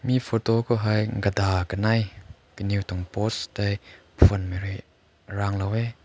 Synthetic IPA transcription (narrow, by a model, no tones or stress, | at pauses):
mifɔt̪ɔkʰoɦɐjŋɡəd̪aːkənɐj | kəniwt̪ɔŋpɔst̪aj | pʰuənmeɾi | raŋlowɛ